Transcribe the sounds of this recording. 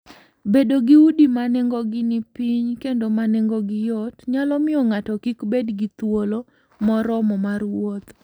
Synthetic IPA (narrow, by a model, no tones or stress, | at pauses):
bedoɡɪudimanɛŋɡɔɡɪnɪpiɲkendomanɛŋɡɔɡɪjɔtɲalɔmɪɔŋatɔkikbedɡɪt̪wolo | mɔɾɔmɔmarwot̪